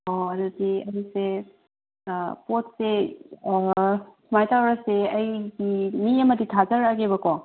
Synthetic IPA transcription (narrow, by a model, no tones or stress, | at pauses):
oɐdudiɐɾise | pot̚se | kʰmajtawɾɐseɐjɡimiɐməditʰazɐɾaɡebɐkɔ